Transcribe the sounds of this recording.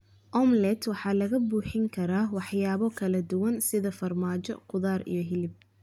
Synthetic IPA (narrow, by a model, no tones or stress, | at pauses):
ʔɔmlɛt̪wɑħɑːlɐɣɐbuːħɪŋkʰɐɾaːwɑħjaːβɔkʰɐlɐd̪ʊwɐnsɪðɐfɐrmaːt͡ʃɔ̰qʊðaːɾḭjɞɦɪlɪb̚